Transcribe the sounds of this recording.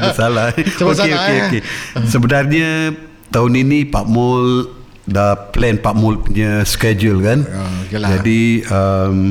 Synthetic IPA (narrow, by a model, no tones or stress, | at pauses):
bəsalaokeokeokesəbənarɲa | t̪aʊninipaʔmʊl | daplɛnpaʔmʊlpuɲəskɛd͡ʒulkand͡ʒadiəm